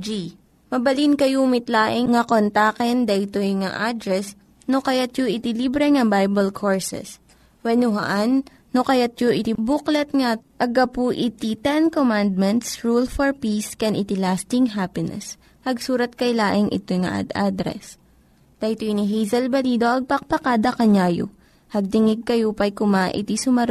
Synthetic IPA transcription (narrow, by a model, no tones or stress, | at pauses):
d͡ʒi | mɐbɐlinkɐjumɪt̪laːʔɪŋŋɐkont̪akɛnd̪ɐʔt̪ojŋa̰ʔad̪ɾɛs | nokɐjat̪joʔɪt̪ɪlibɾɛŋɐbajbɐlkʰoɹsɛ̰s | wɛnʊɦɐ̰ʔanː | okɐjat̪̚joʔɪt̪ɪbuklɐt̪̚ŋaʔɐɡɐpuʔɪt̪it̪ɛnkomand̪̚mɛnt̪sɹulfɔɹpiskɛnʔɪt̪ɪlast̪ɪŋɦapɪnɛ̰s | hɐɡsuːɾɐt̪̚kɐjlaːʔɪŋʔɪ̰t̪ojŋɐ̰ʔa̰d̪a̰d̪ɾɛ̰s | t̪ɐjt̪oiniɦijzɐlbɐliːd̪oʔɐɡ̚pɐk̚pɐkad̪ɐkɐɲaːjo̰ | hɐɡ̚t̪ɪŋɪɡ̚kɐjopɐjkʊmaʔɪ̰t̪isʊmɐɾ